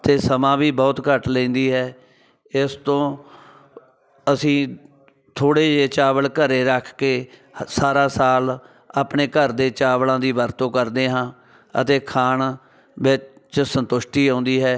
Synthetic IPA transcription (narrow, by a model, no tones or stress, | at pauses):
t̪eːsəmãːʋiːbɔːt̪kəʈlɛ̃ːnd̪iːɦɛː | ɪst̪õː | əsĩː | t̪ʰoːɽeːd͡ʒeːt͡ʃaːʋəɽkəɾeːɾəkʰkeːsaːɾaːsaːl | aːpɳeːkəɾd̪eːt͡ʃaːʋlãːd̪iːʋəɾt̪õːkəɾd̪eːɦãː | ə̰t̪eːkʰaːɳ | ʋɪt͡ʃt͡ʃsənt̪ʊʃʈ̪iːõːnd̪iːɦɛː